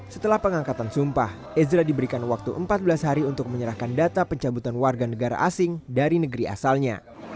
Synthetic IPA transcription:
sət̪əlahpəŋaŋkat̪ansumpah | ɛzɾadibəɾikanwak̚t̪uʔəmpat̪̚bəlasɦaɾiunt̪ʊk̚məɲəɾahkandat̪apəɲt͡ʃabut̪anwarɡanəɡaɾa̰ʔasɪŋdaɾinəɡəɾia̰salɲa̰

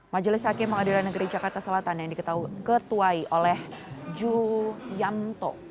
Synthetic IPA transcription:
mad͡ʒalɪshakɪməŋadiɾanːəɡəɾid͡ʒakart̪asəlat̪anjaŋdikət̪aɦukət̪uaiʔolɛhd͡ʒujamt̪ɔ̰

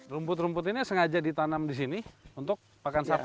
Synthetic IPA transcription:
rumpʊt̪̬ɾumpʊt̪inisəŋad͡ʒadit̪anamdis̬iniunt̪ʊk̚pakansap

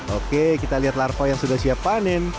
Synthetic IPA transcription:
okekit̪aliɦat̪larpajaŋsudahsiapanɪn

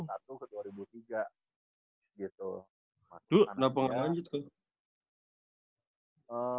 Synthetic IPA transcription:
sat̪ukəduaɾibut̪iɡa | ɡit̪u | t̪ʊnapəŋalaɲd͡ʒɪt̪̚kə | ə

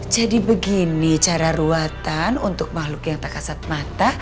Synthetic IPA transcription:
d͡ʒadibəɡinit͡ʃaɾaɾuat̪anunt̪ʊk̚mahlʊkjaŋt̪akasat̪̚mat̪a

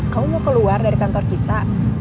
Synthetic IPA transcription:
kaumokəluardaɾikant̪ɔrkit̪a

